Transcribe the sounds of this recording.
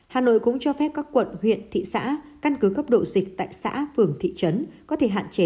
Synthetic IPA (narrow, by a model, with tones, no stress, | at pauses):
haː˨˩no̰˧˨jkʊ̰˧˥ŋ͡mt͡ɕɔ˧fɛ˦˥p̚kaː˦˥kːwə̰˧˨nhwḭ˧˨ənt̪ʰḭ˧˨sa̰ː˧˥ | ka˧nkɨ˨˦kə˦˥p̚ɗo̰˧˨zi˨˩k̚t̪a̰ː˧˨jsa̰ː˧˥fɨ˨˩əŋt̪ʰḭ˧˨t͡ɕə˨˦nkɔ˨˦t̪ʰe˧˩ɦa̰ː˧˨nt͡ɕe˨˦